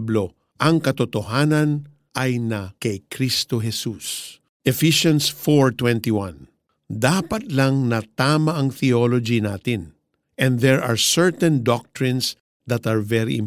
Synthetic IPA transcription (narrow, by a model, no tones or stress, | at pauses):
blo | ʔɐŋkɐt̪ot̪oɦaːnɐn | ʔɐjnɐkɐjkɾist̪oɦɛsus | ʔɛfiʃõnsfoɹt̪wɛ̃nt̪iwãn | d̪apɐt̪laŋnɐt̪aːmaʔɐŋt̪iolod͡ʒinaːt̪ɪn | ʔɛ̃nd̪ɛɹa̰ɹsɛɹt̪ɛ̃nd̪ɔk̚t̪ɹɪ̃ns | d̪ɐt̪aɹvɛɾḭʔɪ̰̃m